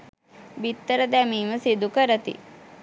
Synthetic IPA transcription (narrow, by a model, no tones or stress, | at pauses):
bit̪ːəɾəd̪æmiːməsid̪ukəɾət̪ḭ